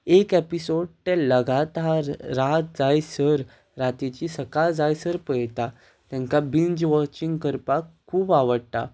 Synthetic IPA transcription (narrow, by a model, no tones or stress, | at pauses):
ekepisoɽ̚ʈ̪elːəɡat̪aɾːat̪̚d͡zajsəɾ | ɾat̪it͡ɕisəkald͡zajsəɾpəjt̪a | t̪jãŋkabiɲd͡ʑʋɔt͡ɕĩŋɡkəɾpakʰːuːbaʋəɽt̪a̰